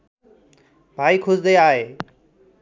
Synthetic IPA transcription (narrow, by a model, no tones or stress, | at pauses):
bʱaːiːkʰʊzd̪eːaːɦeː